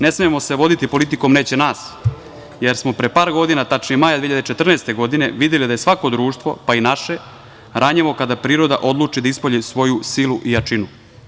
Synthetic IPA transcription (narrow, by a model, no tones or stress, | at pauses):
ne̞smijemo̞seʋo̞d̪it̪ipo̞lit̪iko̞mneːt͡ɕe̞naːs | je̞ɾsmo̞pɾepaːɾɡo̞d̪inat̪at͡ʃnimajad̪iːjʎjad̪et͡ʃet̪r̩neːst̪e̞ɡo̞d̪ine̞ʋid̪je̞lid̪aje̞sʋako̞d̪ɾuːʃt̪ʋo̞̰painaʃe̞ | ɾʔaɲeʋo̞kad̪apɾiːɾo̞d̪a̰ʔo̞d̪lˠuːt͡ʃid̪aispoʎisʋo̞jusiluʔijat͡ʂinu